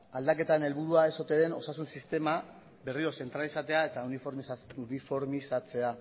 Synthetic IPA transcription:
ald̪ake̞t̪aene̞lβuɾuae̞so̞t̪e̞ðe̞no̞sasunsist̪e̞ma | be̞rio̞se̞nt̪ɾalisat̪e̞ae̞t̪aunifoɾmisunifo̞ɾmisat͡se̞a

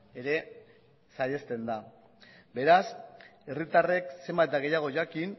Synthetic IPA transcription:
e̞ɾe̞ | sajest̪e̞nd̪a | be̞ɾase̞rit̪are̞kse̞mbad̪aɣe̞jaɣ̞o̞ʝakin

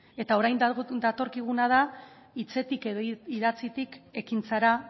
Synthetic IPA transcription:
e̞t̪ao̞ɾajnd̪at̪o̞ɾkiɣ̞unað̞a | it͡se̞t̪ike̞ðoiðat͡sit̪ike̞kint͡saɾa

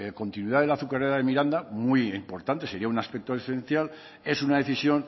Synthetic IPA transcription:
ko̞nt̪inwiðaðelaθukareðaðemiɾand̪amuiimpo̞ɾt̪ant̪e̞se̞ɾiaunaspek̚t̪oðefen̟θjal | e̞sunaðe̞θisjon

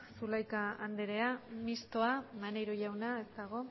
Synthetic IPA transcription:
sulajkaand̪eɾe̞amist̪o̞amanejɾoʝawnae̞st̪aɣ̞o̞

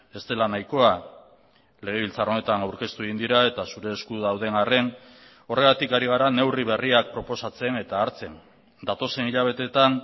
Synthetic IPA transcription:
e̞st̪e̞lanajko̞a | le̞ɣ̞e̞β̞ilt͡saro̞ne̞t̪anawɾke̞st̪ue̞ɣind̪iɾae̞t̪asuɾe̞ːskuðawðe̞nare̞n | o̞re̞ɣat̪ikaɾiɣ̞aɾane̞wriβ̞e̞riak̚pɾo̞po̞sat͡se̞ne̞t̪aːɾt͡se̞n | d̪at̪o̞se̞niʎaβ̞e̞t̪e̞t̪an

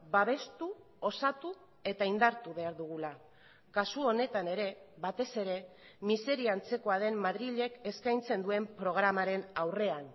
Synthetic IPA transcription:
baβe̞st̪u | o̞sat̪u | e̞t̪aind̪aɾt̪uβe̞aɾðuɣula | kasuo̞ne̞t̪ane̞ɾe̞βat̪e̞se̞ɾe̞ | mise̞ɾiant͡se̞ko̞aðe̞mmaðɾiʎe̞ke̞skajnt͡se̞nd̪ue̞mpɾo̞ɣ̞ɾamaɾe̞nawre̞an

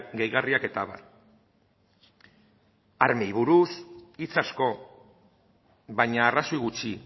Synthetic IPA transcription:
ɡe̞jɣariake̞t̪aβa̰ɾ | aɾme̞jβuɾusit͡sasko̞ | βajɲaːrasojɣut͡ʃi

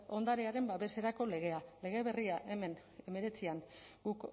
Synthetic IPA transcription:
o̞nd̪aɾeaɾe̞mbaβe̞se̞ɾako̞le̞ɣ̞e̞ale̞ɣe̞βe̞riaʔe̞men | e̞me̞ɾe̞t͡siaŋɡuk

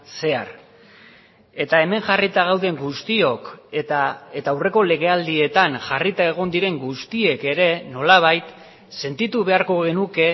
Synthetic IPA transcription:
se̞a̰ɾ | e̞t̪ae̞me̞ŋʝarit̪aɣ̞awðe̞ŋɡust̪io̞kaet̪aːwre̞ko̞le̞ɣ̞e̞ald̪ie̞t̪aŋʝarit̪ae̞ɣ̞o̞nd̪iɾe̞ŋɡust̪ie̞ke̞ɾe̞no̞laβ̞ajt̪ | se̞nt̪it̪uβe̞aɾko̞ɣe̞nuke̞

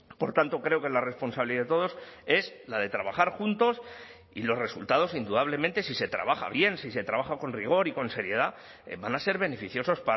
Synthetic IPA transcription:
po̞ɾt̪ant̪o̞kɾe̞okelare̞spo̞nsaβiliaðet̪o̞ðo̞se̞slaðe̞t̪ɾaβaχaɾxunt̪o̞s | ḭlo̞sre̞sult̪að̞o̞sind̪uðaβ̞le̞mẽnt̪e̞sise̞t̪ɾa̰βaxa̰βje̞nsise̞t̪ɾaβaxako̞nriɣ̞o̞ɾiko̞nse̞ɾje̞ð̞a | banase̞ɾβe̞ne̞fiθjo̞so̞spa

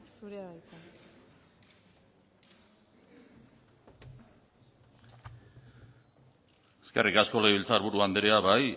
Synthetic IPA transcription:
suɾeaajka | eskerikasko̞laijβilt͡saɾβuɾuand̪eɾeaβaj

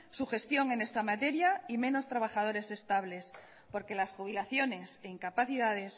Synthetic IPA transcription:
suxe̞st̪jo̞ŋe̞ne̞st̪amat̪e̞ɾjaimẽ̞no̞st̪ɾaβ̞axað̞o̞ɾe̞se̞st̪aβle̞s | po̞ɾke̞lasxuβ̞ilaθjo̞ne̞seiŋkapaθiðað̞e̞s

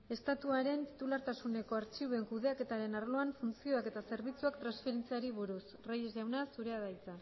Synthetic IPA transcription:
e̞st̪at̪uaɾe̞nt̪i̥t̪ulaɾt̪asune̞ko̞aɾt͡ʃiβue̞ŋkuðe̞ake̞t̪aɾe̞narloaɱfunt͡sio̞ake̞t̪ase̞ɾβit͡suakt̪ɾansfe̞ɾe̞nt͡siaɾiβuɾusrajezʝawnasuɾe̞aðajt͡sa

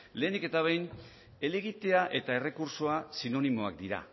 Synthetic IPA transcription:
le̞ːnd̪iket̪aβ̞ejn | e̞leɣit̪e̞aʔe̞t̪ae̞re̞kuɾso̞asino̞nimo̞a̰k̚d̪iɾa̰

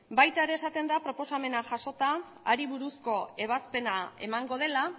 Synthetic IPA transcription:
bajt̪aeɾe̞ːsat̪e̞nd̪apɾo̞po̞same̞naʝaʃo̞t̪aː | ɾiβuɾusko̞e̞β̞aspe̞nae̞̰maŋɡo̞ð̞e̞la

